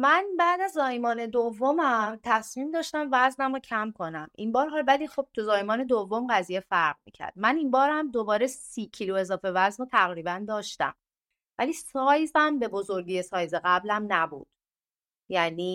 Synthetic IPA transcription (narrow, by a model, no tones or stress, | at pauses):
mænbæːd̪æzːɒːjmɒːne̞d̪ovːomæmt̪ʰæsmiːmd̪ɒːʃt̪æmvæznæmrocʰæmkʰo̞næmʔinbɒːɾɦɒlvæliːxo̞b̥̚t̪ʰuzɒːjmɒːne̞d̪ovːomɢæzijefæɾʁmḭːcʰæ̰ɾd̪̥̚mænimbɒːɾhæmd̪o̞bɒːɾesiːcʰilue̞zɒːfe̞væznot̪ʰæɣɾiːbænd̪ɒːʃt̪æ̰m | væliːsɒːjzæmbe̞bo̞zo̞ɾɡije̞sɒːjzeɣæblæmnæbṵːd̪̥ | jæniː